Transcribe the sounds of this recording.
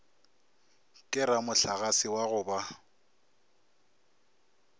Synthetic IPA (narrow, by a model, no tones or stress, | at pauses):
kʼɪɾamʊɬaɣasɪwaɣʊːba